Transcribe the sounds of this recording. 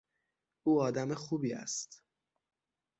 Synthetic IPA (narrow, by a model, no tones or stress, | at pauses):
uːɒːd̪æmexuːbiːæ̰st̪